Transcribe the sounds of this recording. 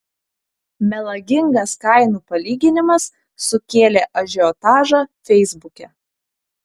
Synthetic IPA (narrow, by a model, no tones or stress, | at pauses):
mʲɛlˠɐɡʲɪŋɡɐskɐɪnuːpɐlʲiːɡʲɪnʲɪmɐsː | ʊkʲeːlʲeːʔɐʒʲɛɔːt̪ɑːʒɑːfʲɛɪzbʊkʲɛ